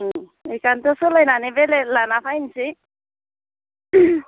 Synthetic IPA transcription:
ikant̪osulajnanibelelanapʰajnsʰi

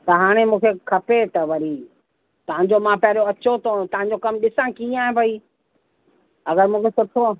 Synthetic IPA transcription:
t̪ɐɦaːɽ̃emũːkʰekʰɐpet̪ɐʋɐɾi | t̪ɐʋãɲ̆d͡ʑomãpɐɦɪɾoɐt͡ɕot̪ot̪ɐʋãɲ̆d͡ʑokɐmɗɪsãkiaːɦẽbʱɐiː | ɐɡəɾmũːkʰesʊʈʰo

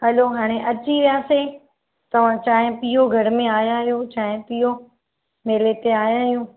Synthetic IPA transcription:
ɦɐloɦaːɽ̃eʔɐt͡ɕiʋijaːse | t̪ɐʋ̤ãt͡ɕaːɦɪ̃pijoɡʱɐɾmẽaːjãːɦijot͡ɕaːɦɪ̃piːo | meːlet̪eaːjãːɦijũː

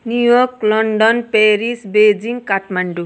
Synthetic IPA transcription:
njujorklʌɳɖʌnpeɾisbed͡ziŋɡkaʈmaɳɖu

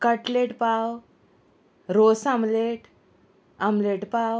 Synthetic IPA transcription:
kəʈleʈpaw | ɾosamleʈ | amleʈpaw

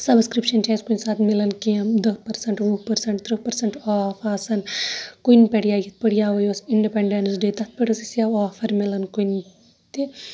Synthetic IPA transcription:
sɐbskɾipʃɐnt͡ʃaːnskunsaːt̪ʰmilɐnkijɐmd̪ɐpɐɾsɐɳʈʋupɐɾsɐɳʈt̪ɾɨpɐɾsɐɳʈaːfaːsɐnkunpeɽijaːjɐt̪̚pɐɽijaːʋɐjoːsiɳɖipeɳɖensɖeːt̪ɐt̪̚ʰpɐʈɐsisjaːaːfɐɾmilɐnkujn | t̪i

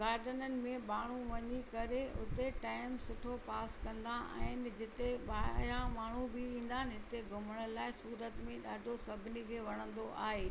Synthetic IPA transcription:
ɡaːɾɖənənɪ̆mẽɓaːɳ̤uʋɐɲikɐɾeʊ̰t̪eʈaːɪmsʊʈʰopaːskɐ̃nd̪ãɛ̰ɦɦɪnɪ̆d͡ʑɪt̪eɓaːɪɾãmaːɳ̤ubɪĩːn̆d̪aːɦɪnɪ̆ɦɪt̪eɡʱʊməɽ̃əlaːɪsuːɾət̪mẽɗaːɖʱosɐbʱɪnikʰeːʋɐɽ̃ə̃nd̪oʔʔaːɦeː

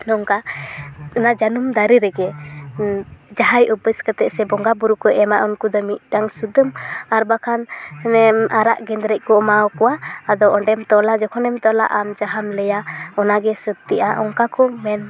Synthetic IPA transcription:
nɔŋka | ɔnad͡ʒanumd̪aɾiɾɛɡɛ | d͡ʒaɦajubəskət̪ɛʔsɛbɔŋɡabuɾukɔɛmaʔɔnkud̪ɔmit̚ɖaŋsud̪əmaɾbakʰanɛmaɾa̰ʔɡɛnd̪ɾɛc̚ˀkɔɔmaɔkɔwaːd̪ɔʔɔɳɖɛmt̪ɔlad͡ʒɔkʰɔnɛmt̪ɔla̰ʔamd͡ʒaɦamlɛjaɔnaɡɛsɔd̪t̪iʔaʔɔŋkakɔmɛn

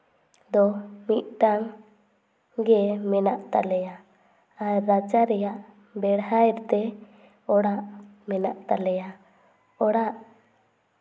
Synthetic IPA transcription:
d̪ɔmit̪̚ʈaŋ | ɡɛmɛnaʔt̪a̰lɛja | aɾad͡ʒaɾɛjaʔ | bɛɽhaɛɾt̪ɛ | ɔɽaʔmɛnaʔt̪alɛja | ɔɽaʔ

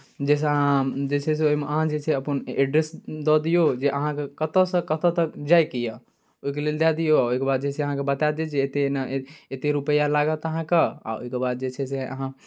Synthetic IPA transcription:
d͡ʒɛs̬eɦãd͡ʒɛsʰes̬eoimeəɦãd͡ʒet͡ʃʰeəpəneɖɾesd̪ɔd̪ijod͡ʒeʔəɦãkekət̪əsə̃kət̪ət̪əkd͡ʒajkijə | oɦikeleld̪ad̪ijoaoikebad̪̚d͡ʒɛseəɦãkebət̪ad̪ed͡ʒet̪enet̪eɾupəjalaɡət̪əɦãkea̰o̰ikebad̪̚d͡ʒesʰeseə̰ɦã

